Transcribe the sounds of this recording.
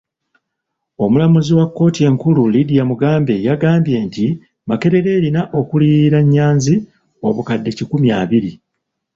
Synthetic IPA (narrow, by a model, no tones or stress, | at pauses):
o̞mulamuziwakːo̞ːtie̞ŋkululidijamuɡaːmbe̞jaɡaːmbje̞ːnti | make̞ɾe̞ɾe̞ːɾinaʔo̞kuliːiɾaɲːaːnzi | o̞βukadːe̞cikumjaːβiɾi